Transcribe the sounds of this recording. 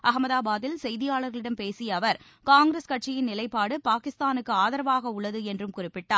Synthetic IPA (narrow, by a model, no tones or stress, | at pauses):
ʔɐɣɐmɐðaːbaːðɪlsɛjðɪjaːɭɐɾɣɐɭɪɽɐmpeːsijɐʋɐɾ | kaːŋɡɾɐskɐʈ̚t͡ʃɪjɪnnɪlɐɪpːaːɽɯpaːkɪst̪aːnɯkːɯaːðɐɾɐʋaːɣɐʊɭːɐðɯɛndrɯmkʊrɪpːɪʈːaːɾ